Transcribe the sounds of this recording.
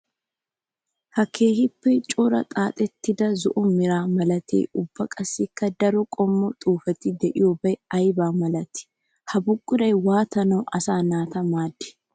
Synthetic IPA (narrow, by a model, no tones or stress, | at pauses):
hɐkʰeːhɪpːɛt͡ʃʼoːɾɐ̰t̪ʼaːt̪ʼɛt̪ːɪd̪ɐzʊʔʊmɪɾaːmɐlɐt̪ʰḛːʊbːɐkʼɐsːɪkːɐd̪ɐɾɔkʼɔmːɔt̪ʼuːfɐt̪ɪd̪ɛʔɪjobɐɛɐjbaːmɐlɐt̪ɪ̥ | hɐbʊɡʼːʊɾɐjwaːt̪ɐnoʔɐsaːnaːt̪ɐmaːd̪ːɪ̥